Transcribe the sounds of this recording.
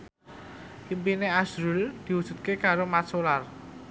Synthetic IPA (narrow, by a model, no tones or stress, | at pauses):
ʔimpineasɾuld̪̥i̤wud̥ʒ̥ṳt̪̚kekaɾomatsolar